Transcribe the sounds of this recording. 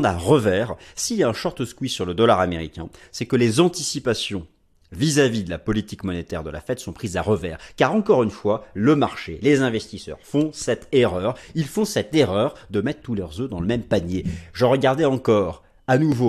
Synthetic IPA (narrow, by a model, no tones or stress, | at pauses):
d̪aʁəvɛʁsiljaɛ̃ʃɔʁt̪əskwisyʁləd̪ɔlaʁameʁikʲɛ̰̃sɛkəlezɑ̃t̪isipasjɔ̃ | vizavid̪əlapɔlit̪ikmɔnet̪ɛʁd̪əla̰fɛt̪sɔ̃pχizaʁəvɛ̰ːʁkaʁɑ̃kɔʁynfwaləmaʁʃḛlezɛ̃vɛst̪isœ̰ʁfɔ̃sɛt̪eʁœʁilfɔ̃sɛt̪eʁœʁd̪əmɛt̪χt̪ulœʁzød̪ɑ̃ləmɛmpaɲjeʒəʁəɡaʁd̪ɛɑ̃kɔːʁ | anuvo